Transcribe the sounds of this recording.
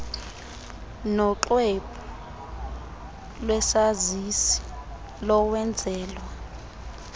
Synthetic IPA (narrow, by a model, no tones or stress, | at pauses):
nɔǁwepʰɔ | lwɛsazisi̥ | lɔwɛnd͡zʱɛːlwa